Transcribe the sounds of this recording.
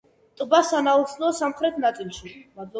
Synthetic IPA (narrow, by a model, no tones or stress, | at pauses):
t̪ʼbasanaut̪sʰnɔsamχɾɛt̪ʰnat̪sʼilˠʃimad̪lˠɔ